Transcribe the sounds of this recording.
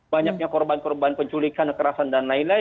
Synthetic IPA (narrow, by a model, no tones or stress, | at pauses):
baɲak̚ɲakɔrbankɔrbanpəɲt͡ʃulikanəkəɾasandanlainla